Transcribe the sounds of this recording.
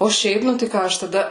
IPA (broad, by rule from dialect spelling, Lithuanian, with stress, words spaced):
oː ˈʃʲɛɪp ˈnʊ tɐɪ ˈkɑː ɐʃ tɐˈdɐ